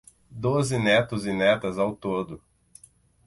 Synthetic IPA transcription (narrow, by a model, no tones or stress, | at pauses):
d̪ozɪnɛt̪ʊzɪnɛt̪ɐzawt̪od̪ʊ